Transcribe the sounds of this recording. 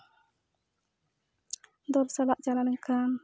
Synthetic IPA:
d̪ɔpsalaʔd͡ʒalanəŋkʰam

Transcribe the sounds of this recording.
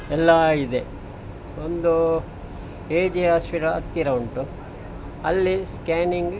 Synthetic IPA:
ɛlːɐid̪e | ond̪u | eːd͡ʒiɦaːspiʈɐɐ̰t̪ːiɾɐuɳʈu | ɐlːiskaːniŋɡ

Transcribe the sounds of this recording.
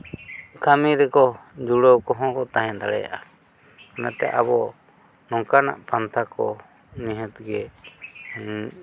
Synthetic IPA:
kamiɾɛkɔd͡ʒuɽɔwkɔɦɔ̃kɔt̪aɦɛ̃d̪aɽɛ̰ja̰ʔa | kanat̪ɛ̰ʔa̰bɔ | nɔŋkana̰ʔpant̪ʰakɔ | niɦɔt̪ɡɛ

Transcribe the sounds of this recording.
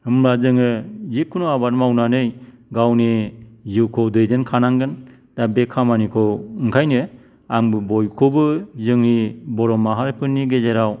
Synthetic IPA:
hɯmɾazɯŋɯzikʰːunuabatmawnanɯj | ɡawniziwkʰɯwdɯjdenkʰanaŋɡɯn | dabekʰamanikʰɯwɯŋkʰajnɯ | aŋbɯbɔjkʰɯbɯzɯŋnibɔɾɔmaɦaɾpʰɯnːiɡezeɾaw

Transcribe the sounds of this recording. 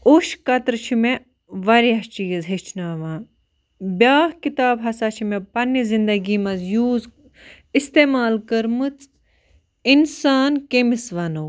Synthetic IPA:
uʃkɐt̪ɾt͡ʃʰime | ʋɐɾiɐt͡ʃijizɦet͡ʃʰnaːʋãː | bʲjaːhkit̪aːbɦɐsat͡ʃʰimepɐnːizind̪ɐɡiːmɐzjuːz | ist̪eːmaːlkəɾmɨt͡s | insaːnkemisʋɐnow

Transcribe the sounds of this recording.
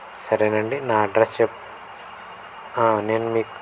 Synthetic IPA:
sɐɾenɐɳɖinaːɖɾɐsep̚ | ãnɐnmik

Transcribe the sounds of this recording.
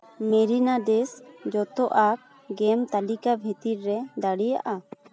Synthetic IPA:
mɛɾinadɛsd͡ʒɔt̪ɔʔak̚ | ɡɛmt̪alikabʱit̪iɾɾɛd̪aɽija̰ʔa

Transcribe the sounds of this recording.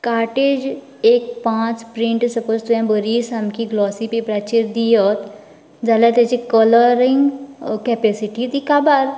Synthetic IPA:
kaːɾʈeːd͡ʒ | eːk̚pãːt͡ʃpɾĩɳʈsəpoːzt̪uɛ̃bəɾiːsɦɐmkiɡlɔːsipebɾat͡ʃiɾd̪ijət̪ | d͡ʒalat̪et͡ʃikələɾɪ̃ŋɡkɛpɛːsiʈit̪ikabaɾ

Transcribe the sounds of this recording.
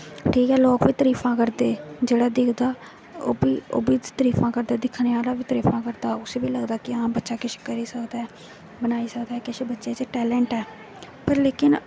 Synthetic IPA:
ʈʰiːkɛːloːkʋiːt̪əɾiːpʰãːkəɾd̪eːd͡ʒeːɽaːd̪ɪkʰd̪aː | oːbiːo̰ːbiːt̪əɾiːpãːkəɾd̪aːd̪ɪkʰːneːaːlaːʋiːt̪əɾiːpʰãːkəɾd̪aːʊseːʋiːləɡd̪aːkɪãːmbətːʃaːkɪʃkəɾiːsəkd̪aːɛː | bənaːiːsəkd̪aːɛːkɪʃeːbətːʃeːt͡ʃʈɛːlɛ̃ːɳʈɛː | pəɾleːkɪn

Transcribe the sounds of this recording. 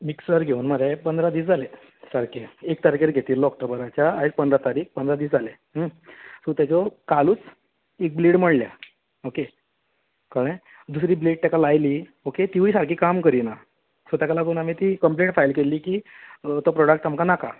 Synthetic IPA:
miksəɾɡʱeuːnməɾapənd̪ɾad̪iːsd͡zʱale | saɾkeek̚t̪aɾkeɾɡʱet̪iːlːɔk̚ʈɔbəɾat͡ɕjaːepənd̪ɾat̪aɾiːk̚pənd̪ɾad̪iːsd͡zʱale | əsot̪jat͡ɕɔkaluːt͡s | ek̚bleɽməɽlja̰ | oke | kaɾɳ̃e | d̪usɾiːbleʈ̚t̪jakalajliːoket̪iʋisaɾkiːkamkəɾiːna | sɔt̪jakalaɡeunamiːt̪iːkəmpleʈfajlkeliːkiːt̪ɔpɾɔɽək̚ʈamkanaka

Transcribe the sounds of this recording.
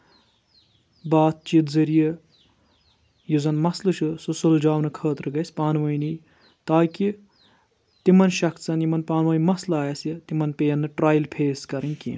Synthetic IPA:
baːt̪̚t͡ʃit̪zɐɾijɐ | juzɐnmɐslɨt͡ʃʰususuld͡ʒaːwnɐkʰəːt̪ɾɨɡɐsʲpaːnʋɐjni | t̪aːki | t̪imɐnʃɐkt͡sɐnjimɐnpaːnʋɐːjmɐslaːjɐsjɐt̪imɐnpejɐnːɨʈraːjlpʰeːskɐɾɐnʲkḭːn

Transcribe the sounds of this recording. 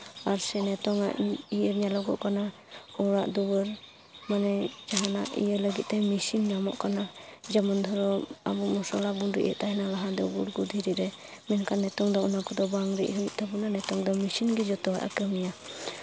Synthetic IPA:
aɾsɛnɛt̪ɔŋa̰ʔijəɾɲalɔɡɔʔkana | ɔɾaʔd̪ubəɾ | manɛd͡ʒaɦanaʔḭjələɡit̪̚t̪ɛmisinnamɔ̰ʔkanad͡ʒamɔnd̪ʱɔɾɔma̰bumɔsɔlabundḭʔɛ̰ʔt̪aɦɛnalaɦad̪ɔɡuɾɡud̪ʱiɾiʔɾɛ | mɛnkʰanːɛt̪ɔŋd̪ɔunakʰɔd̪ɔbaŋɾḭʔɦujt̪ʰabunanɛt̪ɔŋd̪ɔmisinɡid͡ʒɔt̪ɔwa̰ʔa̰kəmija

